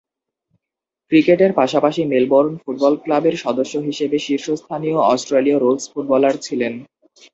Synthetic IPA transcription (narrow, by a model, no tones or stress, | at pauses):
kɾikeʈeɾpaʃapaʃimelboɾnfuʈ̚bɔlklabeɾʃɔd̪oʃːoɦiʃebeʃiɾʃost̪ʰanijoɔsʈɾeliaɾolsfuʈ̚bɔlaɾt͡ɕʰilen